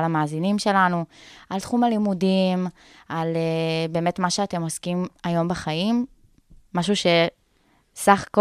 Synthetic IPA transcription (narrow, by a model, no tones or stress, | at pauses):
lamaːzinimʃe̞lanualt̪χumalimudim | alebe̞ːmet̪maʃeate̞mo̞skimajo̞mbaχajimː | aʃ̬uʃe̞ | saχḁko